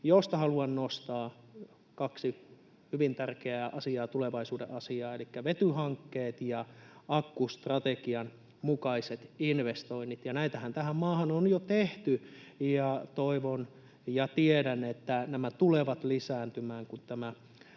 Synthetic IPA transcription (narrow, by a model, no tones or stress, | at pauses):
jost̪ɑhɑluɑnnost̪ɑː | kɑksi | hyʋint̪ærkeæːʔɑsiɑːt̪uleʋɑisuːdḛʔɑsiɑːelikːæʋet̪yhɑŋkːeːt̪jɑɑkːust̪rɑt̪ekiɑn | mukɑiset̪inʋest̪oinːit̪jɑnæit̪æhænt̪æhæmmɑːhɑnonjot̪eht̪yjɑt̪oiʋon | jɑt̪iedænet̪ːænæmæt̪uleʋɑt̪lisæːnt̪ymæːŋkunt̪æmæ